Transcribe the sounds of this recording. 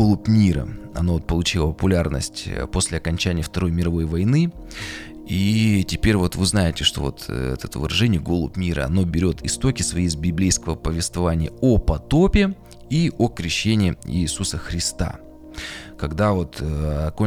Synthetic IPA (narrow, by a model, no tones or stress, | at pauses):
olˠʊpmʲiɾə̰ɐ̰noo̞t̪pəlˠʊt͡ɕilˠəpəpʊlʲarnə̰sʲtʲpo̞sʲlʲɪɐkɐnʲt͡ɕænʲɪjəft̪ɐɾo̞jmʲɪɾɐvo̞jvɐjnɨ | itʲɪpʲeɾʲvo̞t̪vɨznajɪtʲɪʂt̪o̞̰vo̰t̪ʰɛ̰t̪ət̪əvɨɾɐʐɛnʲɪjəɡo̞lˠʊpmʲiɾə̰ɐ̰no̞bʲɪɾʲo̞t̪ʰɪst̪o̞kʲɪsvɐjezbʲɪblʲejskəvəpəvʲɪst̪vɐvanʲɪjəopɐt̪o̞pʲɪ | iʔokɾʲɪɕːenʲɪɪḭːsusəxɾʲɪst̪a̰ | kɐɡd̪avo̞t̪ɐko